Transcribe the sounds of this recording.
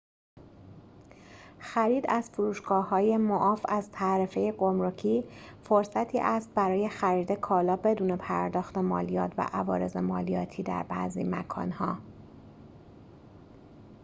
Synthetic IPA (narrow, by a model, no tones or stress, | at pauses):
xæɾiːd̪æz̥fuɾuːʃɡ̥ɒːhɒːje̞moʔɒːfæzt̪ʰæɾefejeɡomɾocʰiːfoɾsæt̪ʰiːʔæst̪̚bæɾɒːje̞xæɾiːd̪e̞kʰɒːlɒːbe̞d̪uːne̞pʰæɾd̪ɒːxt̪e̞mɒ̰ːlijɒːt̪ʰvæ̰ʔævɒːɾe̞ze̞mɒːlijɒːt̪ʰiːd̪æ̰ɾbæ̰zḭmækʰɒ̰ːnhɒ̰ː